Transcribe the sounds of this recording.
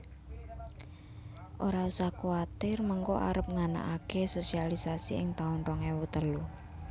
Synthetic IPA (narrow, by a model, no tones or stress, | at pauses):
ʔoɾausahkuat̪ɪrmɔŋkɔa̰ɾəp̚ŋana̰ʔakesosialisasiɪŋt̪aʊnrɔŋɛwut̪əlu